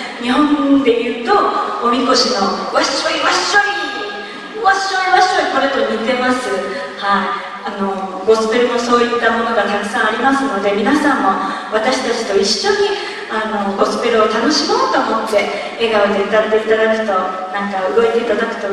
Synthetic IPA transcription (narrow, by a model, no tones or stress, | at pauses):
ɲ̟iɦõ̞nd̪e̞jɯ̟ːt̪o̞omʲiko̞ɕino̞βaɕoiβaɕoi | βaɕoiβaɕoikoɾet̪o̞ɲ̟it̪e̞masɨ | hai | ano̞ | ɡo̞sɨ̥peɾɯ̟mo̞so̞ːit̪ːamo̞no̞ɡat̪akɯ̥sãɰ̃aɾʲimasɨno̞d̪e̞mʲinasãmːo̞ | βat̪aɕi̥t̪at͡ɕi̥t̪o̞iɕːo̞ɲ̟i | ano̞ɡo̞sɨ̥peɾɯot̪ano̞ɕimo̞ːt̪o̞ːmo̞t̪ːe̞ | eɡaod̪eɯ̟t̪at̪e̞it̪ad̪akɯ̟̥t̪o̞ | nãŋkaɯɡo̞et̪e̞it̪ad̪akɯ̟̥t̪o